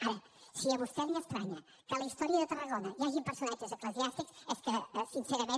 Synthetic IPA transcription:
aɾə | sijaβust̪ɛlniəst̪ɾaɲɐ | kəlɐist̪ɔɾiəðət̪ərəɣɔnɐjaʒimpəɾsunad͡ʒəzəkləziast̪iksɛskəsinsɛɾɐme

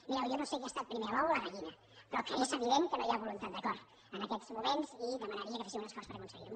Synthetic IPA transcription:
miɾawjonosekeast̪at̪̚pɾimeɾaβawlamaʎinɐ | pɾɔkaisəβiɾɛmkənojaβulunt̪at̪d̪əkɔɾt̪ | ənəkɛt̪z̥mumenziðəmənəɾiəkəfasimunəskɔspəɾɐkunsəɣḭɾm

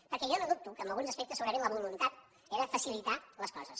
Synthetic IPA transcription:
pəɾkɛʒɔnoðup̚t̪ukəːmbəlɣunzəspɛk̚t̪əsuɣɾəɾimləβulunt̪at̪ | ɛɾəfəsilit̪aləskɔzəs

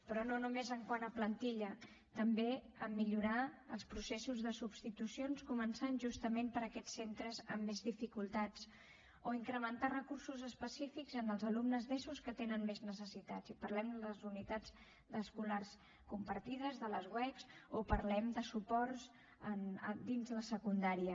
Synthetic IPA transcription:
pɾɔnonumezəŋkwanəplənt̪iʎə | t̪əmbeəmːiʎuɾaəlˠspɾusesuzðəsubst̪it̪usionskumənsanʒust̪əmempəɾəkɛt͡sːent̪ɾəzəmːezðifikulˠt̪at͡s | oiŋkɾəmənt̪arəkursuzəspəsifikzənəlˠzəlumnəzðɛsuskət̪enənmeznəs̬əsit̪azipəɾlɛmd̪ələzunit̪ad͡z | d̪əskulars | kumpəɾt̪iðəzðələzɣwɛkz̥opəɾlɛmd̪əsupɔrz | ənəd̪inzləsəkund̪aɾiə

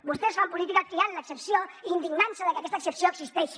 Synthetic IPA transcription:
bust̪ɛzβampulit̪ikat̪̚k̪ianləksəpsioind̪iɡnansəðəkəakɛst̪əksəpsioəksist̪ɛʃ

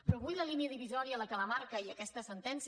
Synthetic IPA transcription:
pɾɔβuʎləliniəðiβizɔɾiələkələmaɾkəiəkɛst̪əsənt̪ɛns

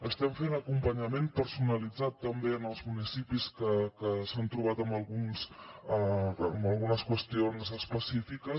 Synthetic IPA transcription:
əst̪ɛmfenəkumpəɲəmenpəɾsunəlid͡zat̪ːəmbeənəlˠzmunisipiskəkəsant̪ɾuβat̪əmbəlˠɣuns | məlˠɣunəskwəst̪ionzəspəsifikəs

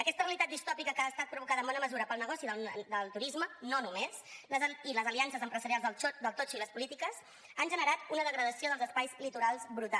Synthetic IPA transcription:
əkɛst̪ərəlit̪at̪̚d̪ist̪ɔpikəkəːst̪at̪̚pɾuβukaðəmbɔnəməzuɾəpəlˠnəɣɔsiðəd̪əlˠt̪uɾizmənonumezləziləzəliansəzəmpɾəzəɾialˠzðəlˠd̪əlˠt̪ot͡ʃiləspulit̪ikəz | anʒənəɾat̪unəðəɣɾəðəsioðəlˠzəspajzlit̪uɾalˠzbɾut̪a

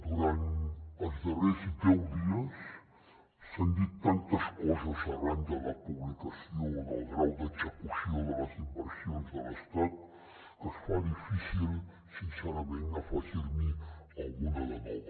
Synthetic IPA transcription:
d̪uɾanəzd̪ərɛzid̪ɛwd̪iəsː | and̪it̪ːant̪əskɔzəzəranʒələpuβlikəsiowləβɾawd̪əzəkusioðələzimpɾəsionzd̪ələst̪at̪̚ | kəsfaðifisil | sinsɛɾəmenəfaʒiɾmiəlˠɣunələmɔ

